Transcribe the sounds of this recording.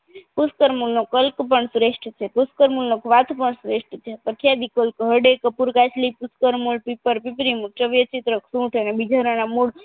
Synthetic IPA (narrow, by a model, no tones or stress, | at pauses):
puskəɾmulnokəlkpəɳsɾeʃʈt͡ʃʰepuskəɾmulnokʰʋat̪ʰpəɳsɾeʂʈt͡ʃʰepəkʰjad̪ikəlkɦəɖekəpuɾkat͡ʃʰlipuskəɾmulpipəɾpipɾimut͡ʃəʋjət͡ʃit̪ɾəkʰsũʈʰənebid͡ʒʱaɾanamuɭ